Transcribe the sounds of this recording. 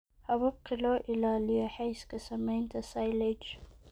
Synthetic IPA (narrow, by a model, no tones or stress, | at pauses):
hɐβɐb̚qʰɪlɔːʔɪlaːlɪjɔħɛjskʰɐsɐmɛjnt̪ʰɐsajlɛd͡ʒ